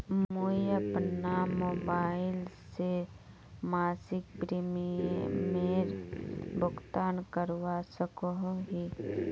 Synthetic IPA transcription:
mmoiəpnamoːbaːɪlse | maːsɪk̚pɾimimeɾbʊɡt̪aːnkəɾwasəkoɦɦi

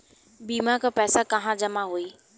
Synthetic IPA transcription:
biːmakʰãpɛːsakɐɦãd͡ʑɐmaɦuiː

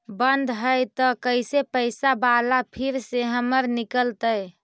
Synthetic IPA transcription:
bənd̪ʱɦəjt̪əkəjsepəsabalapʰiɾseɦəməɾnikəlt̪əj

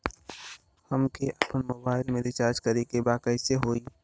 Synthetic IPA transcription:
həmkeʔɐpənmoːbaːɪlmẽɾɪt͡ʃaːɾd͡ʒkəɾikebaːkəɪseɦoːiː

